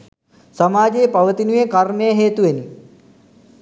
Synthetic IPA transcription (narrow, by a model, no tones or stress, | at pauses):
sɐmaːd͡ʒejpɐʋət̪inujekɐrmejɐɦeːt̪uʋeni